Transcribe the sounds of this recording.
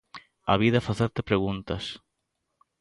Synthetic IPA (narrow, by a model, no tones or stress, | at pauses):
a̰βiðɐfaθeɾt̪epɾeɣunt̪ɐs